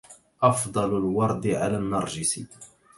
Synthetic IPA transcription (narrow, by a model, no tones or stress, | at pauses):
ʔɑfd̪ˤɑlʊlwɑɾˤd̪ɪʕalænːɑɾˤʒɪsḭ